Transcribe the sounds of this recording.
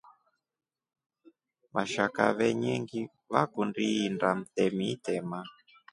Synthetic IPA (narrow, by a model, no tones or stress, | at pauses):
maʃaka̰βɛɲɛŋɡi | βakundiːndam̩tɛmitɛma